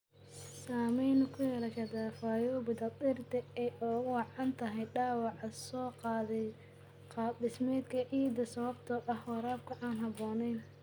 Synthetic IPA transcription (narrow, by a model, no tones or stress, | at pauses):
saːmɛjnʊkʰʊjɛlɐkʰɐd̪aːfaːjɔbɪd̪ɐt̪ɪrt̪ʰɐɛʔɔːwɑʕɑnt̪ʰɐɦɛjɖɑːwɑʕɐsɔːqɑðɛ | qɑd̪ɪsmɛːd̪kʰɐʔiːd̪ɐsɐβɐb̚t̪ʰɐʔɐhwɑɾaːb̚kʰʊʔaːnɦɐbɔːnɛjn